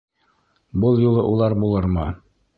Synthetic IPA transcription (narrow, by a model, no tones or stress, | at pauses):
bɤlˠjulˠɤʔulˠɑɾbulˠɤɾmɤ